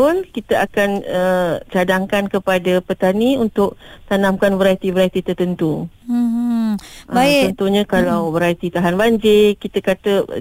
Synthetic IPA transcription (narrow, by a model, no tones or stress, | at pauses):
ʊlkit̪aʔakanət͡ʃadaŋkankəpadapət̪aniunt̪ʊk̚t̪anãmkanbəɾajt̪ibəɾajt̪it̪ərt̪ənt̪u | ʔaɔnt̪uɲãkalawbəɾajt̪it̪aɦanbaɲd͡ʒɪkit̪akat̪ə